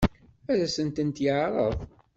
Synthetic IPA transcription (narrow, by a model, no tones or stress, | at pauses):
æðæsənt̪ənt̪jəʕɾˤəðˤ